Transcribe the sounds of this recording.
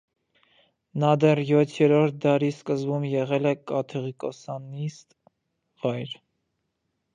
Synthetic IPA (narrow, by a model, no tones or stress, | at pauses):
nɑd̪ɛrjɔt̪ʰjɛɾɔɾt̪̚ʰd̪ɑɾiskəzbumjɛʁɛlɛkɑt̪ʰɛʁikɔsɑnːist̪ | vɑjɾ